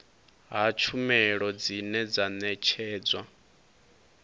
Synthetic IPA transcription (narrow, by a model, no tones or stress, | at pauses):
ɦat͡ʃʰumɛɺɔd͡zinɛd͡zanɛt͡ʃʰɛːd͡zwa